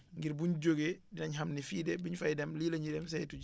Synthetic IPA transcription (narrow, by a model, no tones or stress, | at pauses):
ŋɡiɾbuɲɟoɡedinɐɲɦɐmnifiːdɛbiɲfɐjdɛmliːlɐɲidɛms̬ɐjtu